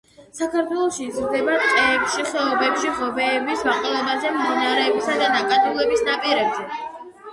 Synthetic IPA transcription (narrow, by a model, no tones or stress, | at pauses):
sakʰaɾt̪ʰwɛlˠɔʃiːzɾd̪ɛbaɛpʃiχɛɔbɛpʃiʁɔbɛːbisvaqʼɛlˠɛbazɛmd̪inaɾɛːbisad̪anakʼad̪ulɛbisnapʼiɾɛbzɛ